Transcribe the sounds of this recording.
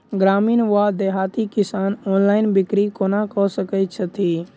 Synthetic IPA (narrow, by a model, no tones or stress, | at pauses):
ɡɾaːmiːnʋad̪eɦaːt̪ikɪsaːnɔːnlaːɪnbɪkɾikonakɔsəkət͡ʃʰət̪ʰi